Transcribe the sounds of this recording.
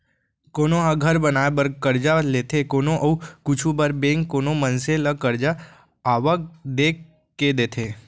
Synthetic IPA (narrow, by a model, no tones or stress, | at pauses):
koːnoɦaɡʱəɾbənaːebəɾkəɾd͡ʒaleːt̪ʰekoːnõʔəukʊt͡ʃʰubəɾbẽːŋkːoːnomənseləkəɾd͡ʒaː | ʋək̚d̪eːk | kːed̪eːt̪ʰeː